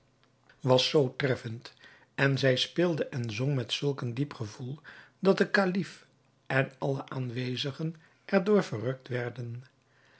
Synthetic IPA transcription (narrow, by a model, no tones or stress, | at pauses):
ʋɑsːowtrɛfənt | ɛnzɛjspɪːlˠdəʔɛnzɔŋmɛtsɵlˠkəndipχəvulˠ | dɑt̚dəkalif | ʔɛnɑləʔaːnʋejzəχən | ʔɛɹdʊːɹvərɦɵk̚tʋɛɹdən